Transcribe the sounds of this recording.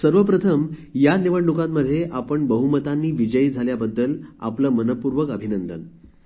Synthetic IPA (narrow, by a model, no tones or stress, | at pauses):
səɾʋəpɾət̪ʰəmjaniʋəɳɖukãmːəd̪ʱːjeʔapəɳbəɦumət̪anːiːʋid͡ʑəiːd͡zʱaljabəd̪ːəla̰pləːmənəpuɾʋəkəbʱinənd̪ə̰n